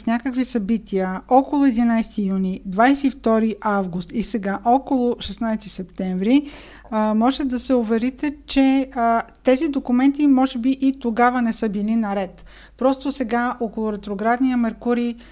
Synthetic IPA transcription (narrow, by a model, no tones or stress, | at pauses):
snʲakəkvisɐbit̪ʰiəɔkolˠʊɛd̪inajst̪ijunid̪vajsɛift̪ɔɾiʔavɡʊst̪isɛɡaʔɔkolˠʊʃɛsnajst̪isɛpt̪ɛɱvɾi | mɔʒɛt̪ɛd̪ɐsɛʊvɛɾit̪ɛt͡ʃɛ | t̪ɛzid̪okʊmɛnt̪imɔʒɛbiʔit̪oɡavɐnɛsɤbilinɐɾɛt̪ | pɾɔst̪osɛɡaʔokolˠʊɾɛt̪ɾoɡɾad̪nijəmɛɾkuɾi